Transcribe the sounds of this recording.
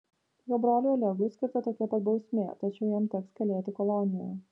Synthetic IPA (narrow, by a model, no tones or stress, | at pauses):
joːbɾoːlʲuːɐlʲɛɡʊsʲkʲɪɾt̪ɐt̪oːkʲɛpɐt̪bɒʊsʲmʲeːt̪ɐt͡ʃʲɛʊjɛmt̪ʲɛkskʲɛlʲeːt̪ʲɪkɔlˠɔnʲɪjɛ̰